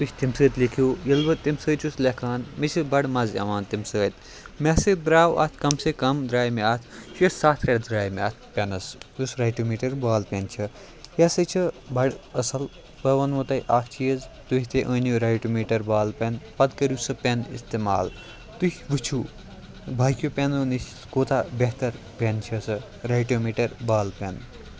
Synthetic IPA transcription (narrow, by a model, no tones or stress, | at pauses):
t̪uhʲt̪imsəːt̪likʰoːjɐlbɐt̪imsəːt͡ʃʰusʰlekʰaːnmet͡ʃʰibɐɽmɐziɐ̰ʋaːnt̪imsəːt̪ | mʲɐsed̪ɾaːwɐ̰t̪ʰkɐmsekɐmd̪ɾaːjmeat̪ʰʃujessaːt̪ʰɾʲɐɽd̪ɾaːjmeat̪ʰpʲɐnɐsusɾaːjʈumiːʈɐɾbaːlpent͡ʃʰɐ | jɐsɐt͡ʃʰɨbɐɽɐsɐl | bɐʋɐnmɐt̪ɐjʔat̪ʰt͡ʃʰijɐzt̪uɦʲit̪ʰeʔəːnuɾajʈumeːʈɐɾbaːlpenpɐd̪kɐɾusɐpʲenḭst̪eːma̰ːl | t̪uhʲʋɨt͡ʃʰu | bʱaːjkjopʲenunis | koːt̪ʰabeɦt̪ɐɾ | pent͡ʃʰɐsɐ | ɾaːjʈomeːʈɐɾbaːlpʲen